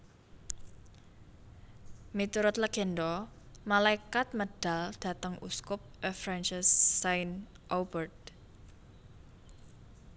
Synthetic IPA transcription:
mit̪uɾʊt̪ləɡ̥ɛ̤nd̪ɔ | malaikat̪̚məɖ̥a̤ld̪̥ä̤t̪əŋʔṵskʊp̚əfɾant͡ʃasːajn | ʔobərd̪̚

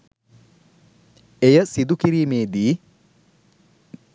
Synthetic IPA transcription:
ejəsid̪ukiɾiːmeːd̪iː

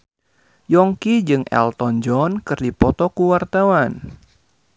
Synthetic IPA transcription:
jɔŋkid͡ʒɨŋʔɛ̰lt̪ɔnd͡ʒɔnkɨrdipɔt̪ɔkuwart̪awan

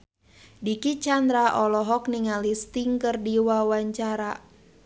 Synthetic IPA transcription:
dikit͡ʃandɾaʔɔlɔɦɔkniŋalist̪iŋkərdiwawaɲt͡ʃaɾa

